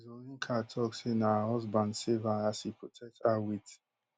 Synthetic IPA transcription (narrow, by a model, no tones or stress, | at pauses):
zoniŋ̩kʰatʰɔksenaaɦɔzbandsivaasipotʰɛk̚tawit